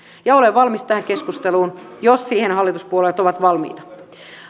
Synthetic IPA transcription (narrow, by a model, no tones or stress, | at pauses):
jɑo̞leʋʋɑlmist̪æhæŋke̞skust̪eluːnjosːiːhenɦɑlːit̪uspuoleːt̪o̞ʋɑt̪ʋɑlmḭːt̪ɑ̥